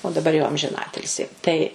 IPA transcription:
oː dɐˈbɐr jɛʊ ɐmʲʒʲɪˈnɑːtʲɪlʲsʲɪ tɐɪ

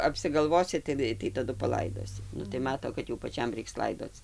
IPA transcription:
ɐpʲsʲɪɡɐlˠˈʋoːsʲɪ tʲɪˈnɐɪ tɐɪ tɐˈdʊ pɐˈlˠɐɪdoːsʲɪ ˈnʊ tɐɪ ˈmɑːtoː kɐt jɛʊ pɐˈt͡ʃʲɛm ˈrʲɛɪks ˈlˠɐɪdoːt͡s

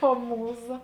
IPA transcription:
oː ˈmuːˌzɐ

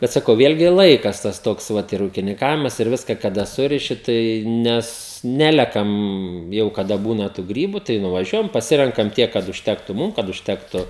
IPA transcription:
ˈbʲɛt sɐˈkɐʊ ˈʋʲeːlʲɡʲɪ ˈlˠɐɪkɐs tɐs ˈtoːks ˈʋɐt ɪr uːkʲɪnʲɪŋˈkɑːʋʲɪmɐs ɪr ˈʋʲɪskɐ kɐˈdɐ ˈsʊrʲɪʃʲɪ tɐɪ ˈnʲɛs ˈnʲæːlʲɛkɐm jɛʊ kɐˈdɐ ˈbuːnɐ tuː ˈɡrʲiːbʊ tɐɪ nʊʋɐˈʒʲuɔjɛm pɐˈsʲɪrʲɛŋkɐm ˈtʲiɛk kɐt ʊʃʲˈtʲæːktʊ ˈmuːm kɐt ʊʃʲˈtʲæːktʊ

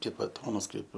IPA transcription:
ˈkɐɪp bɐˈtoːnɐs ˈkɐɪp

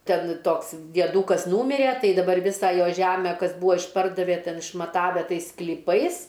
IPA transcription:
ˈtʲɛn ˈtoːks dʲiɛˈduːkɐs ˈnuːmʲɪrʲeː ˈtɐɪ dɐˈbɐr ˈʋʲɪsɐ ˈjoː ˈʒʲæmʲɛ ˈkɐs ˈbuːʋoː ɪʃˈpɐrdɐʋʲeː ˈtʲɛn ɪʃmɐˈtɑːʋʲɛ ˈtɐɪs sklʲiːˈpɐɪs

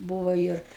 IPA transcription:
ˈbuːʋoː ˈɪr

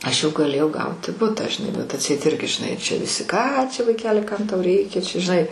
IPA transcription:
ˈɐʃ jɛʊ ɡɐˈlʲeːjɛʊ ˈɡɐʊtʲɪ ˈbʊtɑː ʒʲɪˈnɐɪ bʲɛt ɐtʲˈsʲɛɪt ˈɪrʲɡʲɪ ʒʲɪˈnɐɪ ˈt͡ʃʲɛ ʋʲɪˈsʲɪ ˈkɑː t͡ʃʲɛ ʋɐɪˈkʲæːlʲɪ ˈkɐm ˈtɐʊ ˈrʲɛɪkʲɛ t͡ʃʲɛ ʒʲɪˈnɐɪ

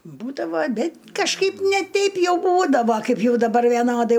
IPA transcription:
ˈbuːdɐʋoː ɐˈbʲɪ kɐʃˈkɐɪp nʲɛ ˈtʲɛɪp ˈjɛʊ ˈbuːdɐʋoː ˈkɐɪp ˈjɛʊ dɐˈbɐr ʋʲiɛˈnoːdɐɪ

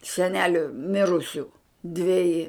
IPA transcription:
sʲɛˈnʲæːlʲʊ ˈmʲɪrʊsʲʊ dʲʋʲɛˈjɪ

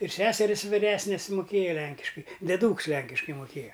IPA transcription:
ɪr ˈsʲæːsʲɛrʲɪs ʋʲɪˈrʲæːsʲnʲɪs mʊˈkʲeːjɛ ˈlʲɛŋʲkʲɪʃkɐɪ dʲɛˈduːks ˈlʲɛŋʲkʲɪʃkɐɪ mʊˈkʲeːjɛ

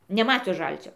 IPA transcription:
nʲɛˈmɑːtʲʊs ˈʒɐlʲt͡sʲoː

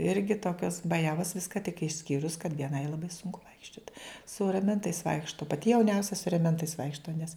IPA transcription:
ˈɪrʲɡʲɪ ˈtoːkʲoːs bɐˈjæːʋoːs ˈʋʲɪskɐ tʲɪk ɪʃʲˈsʲkʲiːrʊs kɐt ʋʲiɛˈnɐɪ lˠɐˈbɐɪ ˈsʊŋkʊ ˈʋɐɪkʃʲt͡ʃʲoːt sʊ rɐˈmʲɛntɐɪs ˈʋɐɪkʃtoː pɐˈtʲɪ jɛʊˈnʲɛʊsʲɛ sʊ rʲɛˈmʲɛntɐɪs ˈʋɐɪkʃtoː nʲɛs

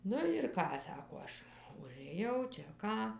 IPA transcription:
ˈnʊ ɪr ˈkɑː ˈsɑːkoː ˈɐʃ ʊʒɘˈjɛʊ t͡ʃʲɛ ˈkɑː

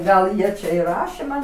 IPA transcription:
ˈɡɐlˠ ˈjiɛ t͡ʃʲɛ ɪ ˈrɑːʃʲeː ˈmɐn

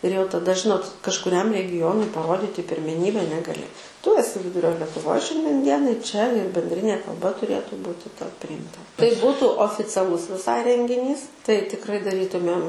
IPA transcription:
ɪr jɛʊ tɐˈdɐ ˈʒʲɪnoːt kɐʃkʊˈrʲɛm rʲɛɡʲɪˈjoːnʊɪ pɐˈroːdʲɪtʲɪ pʲɪrʲmʲɛˈnʲiːbʲɛ nʲɛɡɐˈlʲɪ tʊ ɛˈsʲɪ ˈʋʲɪdʊrʲoː lʲɛtʊˈʋoːj ˈʃʲɛnʲdʲiɛn ˈdʲiɛnɐɪ t͡ʃʲɛ ɪr bʲɛnʲdʲˈrʲɪnʲeː kɐlˠˈbɐ tʊˈrʲeːtʊ ˈbuːtʲɪ tɐʊ pʲrʲɪjɪmˈtɐ tɐɪ ˈbuːtʊ oːfʲɪt͡sʲɛˈlˠʊs ʋʲɪˈsɐɪ rʲɛŋʲɡʲɪˈnʲiːs tɐɪ tʲɪkˈrɐɪ dɐˈrʲiːtʊmʲeːm

